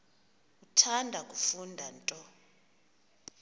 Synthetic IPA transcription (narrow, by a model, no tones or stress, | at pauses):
utʰandʱakʼufundʱantʼɔ